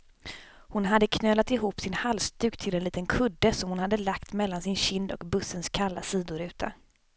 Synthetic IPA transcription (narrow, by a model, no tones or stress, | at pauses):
hʊnɦad̪ːəkʰnøːlat̪ɪɦuːpsɪnhalst̪ʉ̟ːkt̪ʰɪlɛnliːt̪ənkʰɵd̪ːəsɔmhʊnhad̪ːəlakt̪mɛlːansɪnɕɪnd̪ɔ̰kbɵsːənskʰalːa̰siːd̪ʊɾʉ̟ːt̪ʰa̰